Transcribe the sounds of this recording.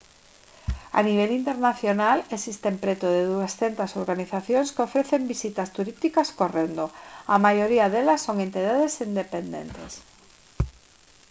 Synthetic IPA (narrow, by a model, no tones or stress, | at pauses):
a̰niβ̞elint̪eɾnaθjonalesist̪empɾet̪oð̞eðuesθent̪asoɾɣaniθaθjoŋskofɾeθembisit̪ast̪uɾist̪ikaskorend̪oamajoɾiaðelasːoŋent̪iðaðesind̪epend̪ḛnt̪ḛs